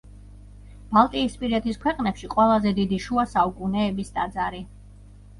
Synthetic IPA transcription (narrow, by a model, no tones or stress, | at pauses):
b̥alˠt̪ʼiːspʼiɾɛt̪ʰiskʰwɛqʼnɛpʃiqʼwɛlˠazɛd̪id̪iʃuasaukʼunɛːbist̪ʼad̪zaɾi